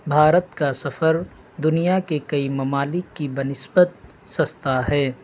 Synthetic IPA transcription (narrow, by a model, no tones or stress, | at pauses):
bʱaːɾət̪kasɐfəɾ | d̪ʊnijakekɐimɐmaːlɪkːibɐnɪsbət̪̚ | sɐst̪aɦɛː